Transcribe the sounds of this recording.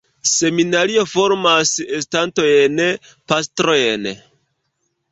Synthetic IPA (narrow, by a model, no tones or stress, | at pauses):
se̞minaɾio̞fo̞ɾmases̬tanto̞jen | pastɾojen